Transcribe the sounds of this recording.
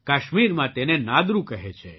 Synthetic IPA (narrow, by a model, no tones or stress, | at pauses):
kaʃmiɾmãt̪enenad̪ɾũkəɦet͡ʃʰe